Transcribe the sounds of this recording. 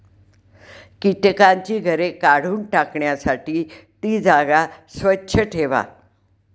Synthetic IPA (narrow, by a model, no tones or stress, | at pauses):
kiʈkaɲt͡ɕiːɡʱəɾekaɽ̤uːnʈakɳjasaʈiːt̪iːd͡zaɡasʋətːɕʰəʈʰeʋa̰